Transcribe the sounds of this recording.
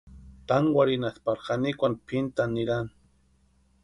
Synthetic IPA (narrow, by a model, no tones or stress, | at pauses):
t̪aŋwaɾɪnaspaɾxanikʷanpʰɪnt̪anɪɾan